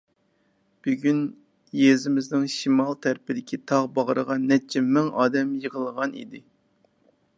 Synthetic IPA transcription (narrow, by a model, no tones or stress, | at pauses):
b̥yɡʲyn | jezɪmɪznɪŋʃimɑlˠt̪ʰæɾpɪd̪ɪkʲʰit̪ʰɑʁbɑʁəɾəʁɑnːɛt͡ʃʰɛmɪŋɑːd̪ɛmjəʁəlˠəʁɑnḭd̪ɪ